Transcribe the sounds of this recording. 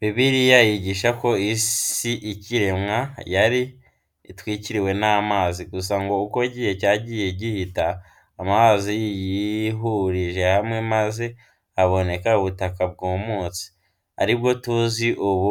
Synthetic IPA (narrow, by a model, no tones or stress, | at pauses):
βiβiɾijajiɟiʃako̞issiʔiciɾemŋajaɾi | twiːciɾiwe̞naːmaːziɡus̬aŋɡo̞uko̞ɟiːhe̞caːɟiːje̞ɟihitaː | maazijijiɦuɾiʒe̞hamŋe̞maze̞ | aβo̞ne̞kauβutakab̚ɡoːmuːsi̥ | a̰ɾibɡo̞tuziʔuβu